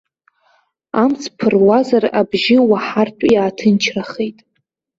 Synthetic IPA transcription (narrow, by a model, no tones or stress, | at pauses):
amt͡sʰpʰɨrwazarabʒɪwaħartʷʰʼjaːtʰɨnt͡ʃʰraχejtʼ